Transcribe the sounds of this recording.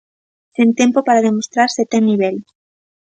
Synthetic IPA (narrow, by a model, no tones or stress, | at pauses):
sint̪jempopaɾaðemost̪ɾaɾset̪eniβ̞el